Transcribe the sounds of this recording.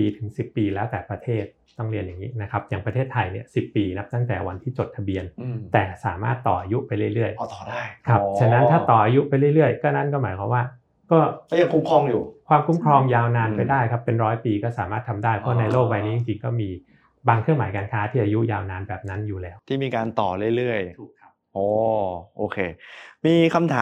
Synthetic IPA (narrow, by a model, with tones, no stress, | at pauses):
piː˧t̪ʰɯ˨˩˦ŋsi˨˩pːiː˧lɛː˦˥wt̪ɛː˨˩pɾa˧t̪ʰeː˥˩t̪̚ːɔ˥˩ŋli˧ənja˨˩ŋːiː˦˥na˦˥kʰa˦˥p̚jaː˨˩ŋpɾa˧t̪ʰeː˥˩t̪ʰːa˧jni˥˩ɐsi˨˩pːiː˧na˦˥p̚t̪a˥˩ŋt̪ɛː˨˩wa˧nt̪ʰiː˥˩t͡ɕo˨˩t̪ʰa˧bi˧ənt̪ɛː˨˩saː˩˦ma̰ː˥˩t̪ːɔː˨˩ʔa˧ju˦˥ʔpa˧jɾɯ˥˩əjɾɯ˥˩əjt̪ɔː˨˩da˥˩jkʰa˦˥pt͡ɕʰa˧nːa˦˥ntʰaː˥˩t̪ɔː˨˩ʔaː˧ju˦˥ʔpa˧jlɯ˥˩jlɯ˥˩əjkɔː˥˩na˦˥nkɔː˥˩maː˩˦jkʰwa̰˨˦mwaː˥˩ | kɔː˥˩˥ja˧ŋkʰu˦˥mkʰɔ˧˩ŋjuː˨˩kʰwaː˧mkʰu˦˥mkʰɾɔː˧mjaː˧wnaː˧npa˧jdaː˥˩jkʰa˦˥pːe˧nɾɔː˦˥jpiː˧kɔː˥˩saː˨˩˦maː˥˩t̪ʰa˧mdaː˥˩jpʰɔ˦˥a˧˨na˧jloː˥˩k̚ba˧jniː˦˥t͡ɕi˨˩ŋt͡ɕi˧ŋkɔː˥˩miː˧ | baː˧ŋkʰɾɯ˥˩əmaː˩˦jkaː˧nkʰaː˦˥t̪ʰiː˥˩ʔaː˧ju˦˥ʔjaː˧wnaː˧nbɛː˨˩p̚na˦˥njuː˨˩lɛː˦˥wt̪ʰiː˥˩miː˧kaː˧nt̪ɔː˨˩ɾɯ˥˩əjɾɯ˥˩əjʰ | ʔɔː˨˧˩ʔoː˧kʰeː˧miː˧kʰa˧mt̪ʰaː˨˦